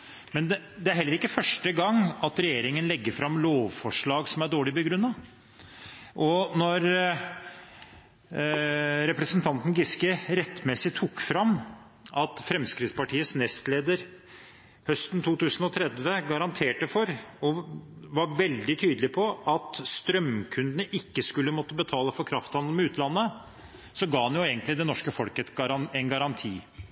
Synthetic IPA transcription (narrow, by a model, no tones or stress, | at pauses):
mɛnd̪ | d̪ɛæɾɦɛlːəɾɪkːəfœʂʈəɡɑŋɑt̪ɾɛjeːɾɪŋənlɛɡːəɾfɾɑmloːʋfɔʂɭɑːɡsɔmæɖoːɭɪbəɡɾʉnːɑ | ʔɔnɔɾ | ɾɛpɾəsənt̪ʰɑnt̪n̩ɡɪskɪɾɛt̪ːmɛsɪt̪ʰukːfɾɑm | ʔɑt̪fɾɛmskɾɪt̪spɑʈʰiːəsnɛst̪leːd̪əɾ | hœst̪n̩t̪ʰuːt̪ʉːsən̩ɔt̪ʰɾɛd̪ʋəɡɑɾɑnt̪ʰeːʈəfɔɾɔʋɑɾʋɛld̪ɪt̪ʰyːd̪lɪpʰɔʔɑt̪st̪ɾœmkʰʉnd̪ənəʔɪkːəskʉlːəmɔt̪ːəbət̪ʰɑːləfɔɾkʰɾɑft̪hɑnd̪l̩mɛʉːt̪ʰlɑnːə | sɔɡɑːhɑnjʊeːɡənt̪lɪd̪ɛnɔʂkəfɔlkəɛt̪ɾɑnɛnɡɑɾɑnt̪ʰiː